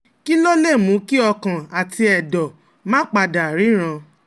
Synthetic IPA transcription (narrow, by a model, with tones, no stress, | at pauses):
ki˦lo˦le˦˨mũ˨˦ki˦ɔ˧kã˨a˨tʰi˧ɛ˨dɔ˨ | mãː˦k͡pa˧da˨ɾi˨˦ɾ̃ã˧